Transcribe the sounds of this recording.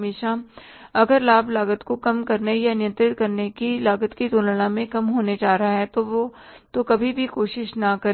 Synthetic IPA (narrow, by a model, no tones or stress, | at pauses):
meːʃa | ɐɡəɾlaːblaːɡət̪kokɐmkɐɾnejanɪjə̃nt̪ɾɪt̪̚kɐɾnekilaːɡət̪kit̪oːnləɽãmẽkɐmɦoːned͡ʒaːɾɐɦaɦɛt̪oʋo | t̪okɐbʱibʱikoːʃɪʃnɐkɐɾ